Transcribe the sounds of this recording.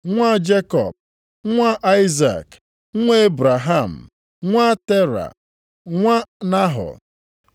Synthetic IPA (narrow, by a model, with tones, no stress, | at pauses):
ŋʷa˦d͡ʒe˦kɔ̰˨p̚ | ŋʷa˦ʔa˦i˦za̰˨k̩ʷ˦ | e˦e˦bɾa˨ɦa˦˨m̩˨ | ŋʷa˦te˦ɾa̰˨ | ŋʷa˦na˦ɦɔ̰˨